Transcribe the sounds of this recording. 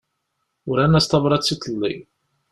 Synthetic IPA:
ʊɾænːæst̪ɑvɾˤɑt͡sːit̪ʰˤːlːḭ

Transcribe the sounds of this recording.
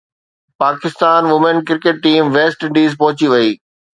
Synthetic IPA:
paːkɪst̪aːnʋʊmenkɪɾkeːʈ̚ːiːmʋeːsʈɪ̃ɳɖiːzpɐɦʊ̃t͡ɕiʋɐiː

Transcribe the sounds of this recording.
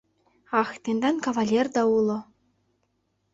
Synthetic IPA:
ɑxt̪end̪ɑnkavalʲerd̪ɑulˠɤ̆

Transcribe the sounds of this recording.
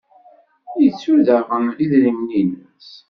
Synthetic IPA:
jət͡sːuɾðəʁəmliðɾimninəs

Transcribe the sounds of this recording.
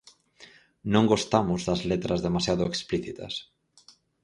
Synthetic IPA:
nõŋɡost̪amʊzðɐzlet̪ɾɐzðemasjaðʊekspliθit̪ɐ̰s

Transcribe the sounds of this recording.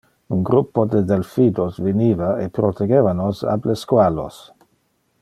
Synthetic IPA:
unɡɾupːod̪ed̪elfid̪osvinivaepɾot̪eɡevanosa̰bleskwalo̰s

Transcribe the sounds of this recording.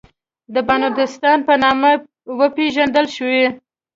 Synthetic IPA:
d̪əbanud̪ɪst̪ɑnpənɑma | wəpeʒand̪əlʃwe

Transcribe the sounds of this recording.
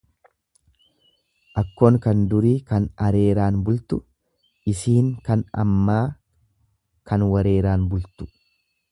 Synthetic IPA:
ʔɐkːoːŋkɐnd̪ʊɾiːkɐnɐɾe̞ːɾaːnbʊlt̪ʊ | ʔɪsiːŋkɐnɐ̰mːaː | kʰɐnwɐɾe̞ːɾaːnbʊlt̪ʊ̥

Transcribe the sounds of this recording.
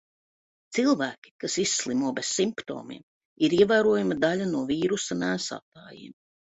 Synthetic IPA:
t̪silˠvæːkʲi̥kasisːlˠimuɔbesːimpt̪o̰ːmḭɛm | iɾiɛvæːɾuɔjamɐd̪alʲanuɔviːɾusɐmæːsa̰ːt̪aːjḭːm

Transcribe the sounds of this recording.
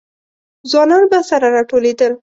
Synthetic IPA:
zwɑnɑnbasaɾaɾɑʈoled̪əl

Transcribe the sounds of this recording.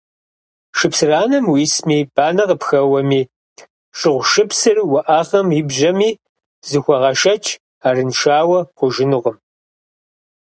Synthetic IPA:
ʃɨpsɨraːnɐmwismiːb̥aːnɐʁəpxɐwɐmiː | ʃɨʁʷʃɨpsɨrwɐʔaːχɐmjɪbʒɐmiː | zɨxʷɔʁɐʃɐt͡ʃʰʼ | aːrɨnʃaːwɐχʷʊʒɪnɨʁəm

